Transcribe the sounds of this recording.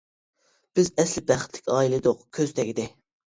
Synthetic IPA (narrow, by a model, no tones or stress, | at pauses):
b̥ɪzɛslɪbæχɪt̪ʰlɪkʲɑːilˠɨd̪ʊqkʲʰøzt̪ʰɛkʲid̪ɪ